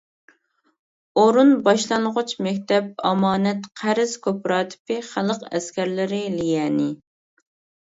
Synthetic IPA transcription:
oɾunbɑʃlˠɑnʁʊt͡ʃmɛkʲt̪ʰɛp̚ɑ̰mɑːnɛt̪qʰæɾɪz̥kʲʰøpɾɑːt̪ʰɪ̥pɪχælˠəqɛ̰skʲæɾlɪɾɪlijɛːnɪ

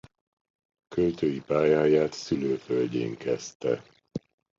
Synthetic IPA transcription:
kølt̪øːjipaːjaːjaːt̪syløːfølɟḛːŋkɛst̪ɛ

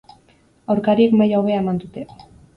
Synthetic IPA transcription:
awɾkaɾie̞kmajawβe̞ae̞mand̪ut̪e̞

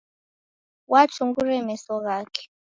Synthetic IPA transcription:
wat͡ʃuŋɡuɾɛmɛsɔɣaːkɛ̥

